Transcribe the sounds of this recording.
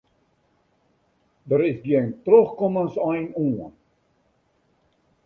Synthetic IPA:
dəɾɪsdiəntrøχkɔmənsœjnuən

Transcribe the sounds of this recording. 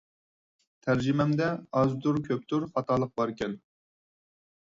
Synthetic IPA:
t̪ʰæɾd͡ʒimɛmd̪ɛɑzd̪uɾkʲʰøp̚t̪uɾχɑt̪ɑlˠəq̚bɑɾkʲɛn

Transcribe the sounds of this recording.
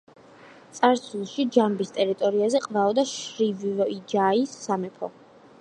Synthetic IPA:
t̪sʼaɾsʰulˠʃid͡ʒambist̪ʼɛɾit̪ʼɔɾiazɛqʼvaɔd̪aʃɾivvɔid͡ʒaisːamɛpʰɔ̰

